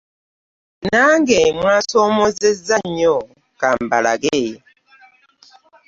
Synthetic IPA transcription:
naŋɡemwasɔmɔzezaɲɔ | kambala̰ɡe

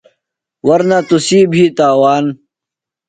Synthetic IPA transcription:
wɐɾnat̪usiːbʱiːt̪aːwaːn

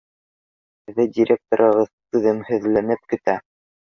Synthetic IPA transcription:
hɘ̆ðɘdʲɪɾʲʔek̚t̪oɾɤ̆ʁɤðt̪ʉðɘ̆mhɵ̆ðlænɘp̚kɘ̆t̪æ

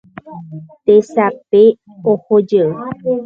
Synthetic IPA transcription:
t̪esape | ohod͡ʒə

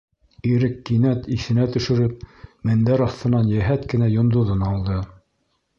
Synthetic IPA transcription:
iɾɘkːinæt̪iθɘ̆næt̪ɵ̆ʃɘ̆ɾɘp̚mɘ̆nd̪æɾɑθt̪ɤ̆nɑnjæɦæt̪kɘ̆næjŏnd̪ŏðɤnɑlˠd̪ɤ

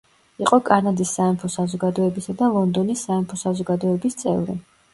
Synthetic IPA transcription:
iqʼɔkʼaɾnad̪isːaɛmpʰɔsazɔɡad̪ɔɛbisad̪alˠɔnd̪ɔnisːaɛmpʰɔsazɔɡad̪ɔɛbist̪sʼɛ̰vɾḭ

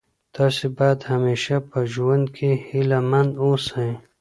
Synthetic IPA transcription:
t̪asibaːd̪hɐmeːʃapɐʒuwɐ̃nd̪kʰehilamɐ̃nd̪osãĩ

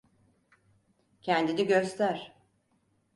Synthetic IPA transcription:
cʰɛnd̪iniɟøst̪ʰæɾ̥

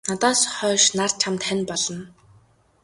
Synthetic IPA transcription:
nat̪ɔːsχœːʃnar̥t͡ɕʰamt̪χanpɔɮɞ̆n

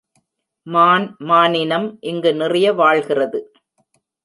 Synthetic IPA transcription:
maːnmaːnɪnɐmʔɪŋɡɯnɪrɪjɐʋaːɭɣɪrɐðɯ

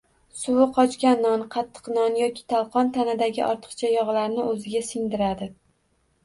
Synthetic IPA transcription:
sʊwɪqʰɒt͡ʃkʲanːɒnqʰɑt̪ʰːɨ̥qnɒnjɒkʲʰɪ̥t̪ʰalˠqʰɒnt̪ʰanɪd̪aɡʲɪʔɒ̰ɾt̪ʰɨ̥qt͡ʃʰajɒʁlaɾnɪɵzɪɡʲasɪŋd̪ɪɾad̪ɪ

